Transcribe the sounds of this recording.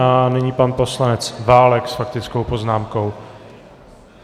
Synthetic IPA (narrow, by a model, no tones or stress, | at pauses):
anɛɲipanpo̞slanɛt͡svaːlɛksfak̚t̪ɪt͡sko̞wpo̞znaːmko̞w